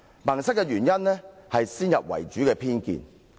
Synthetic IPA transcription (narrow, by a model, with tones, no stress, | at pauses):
mɐ˨˩ŋsɐ˥kːɛ˧ɥyː˨˩njɐ˥nlɛ˥hɐ˨jsiː˥njɐ˨p̚wɐ̰˨˩jt͡ʃyː˨˥kɛː˧pʰiː˥nkḭː˨n